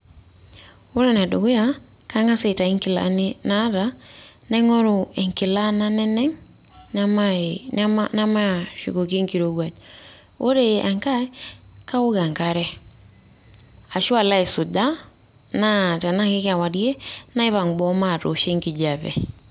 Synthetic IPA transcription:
o˦ɾe˦na˨do˨ɣʊ˦ja˦ | ka˦ŋa˦se˨ta˨i˦ŋkɪ˨la̰nɪna˦ɾa˨na˦ŋɔ˦ɾʊ˨ɛ˨ŋkɪ˨la˦na˦nɛ˦nɛ˦ŋ | na˦mamana˦ma˦˨ʃṵ˨ko˨ke˦ŋki˨ɾo˨ɣwa˨t | o˦ɾea˨ŋka˦ka˦o˦ɣa˨ŋkaɾɛ˦ | a˨ʃwa˨la˦e˨su˨da˦ | na˦˨ta˨na˦kɪ˦ka˨wa˨ɾi˦e˦na˦i˦βa˨ŋɡ͡bɔ˦ma˦˨to̰˨ʃe˦ŋki˨d͡ʒa˨βɛ̰˨

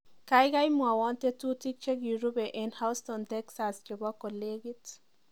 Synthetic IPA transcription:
kajka˦jmwa˨wɔ˦nte˦tu˦ti˦k̚t͡ʃe˦ɡji˨ɾu˦be˨ʔɛnha˦ʊstɔntɛksaskɔ˨bɔ˦kɔ˨leɡi˦t

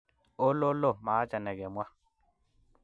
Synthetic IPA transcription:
o˦lo˦lo˦˨ma˨˦t͡ʃa˨nɛ˨ɡɛ˨mwa˦

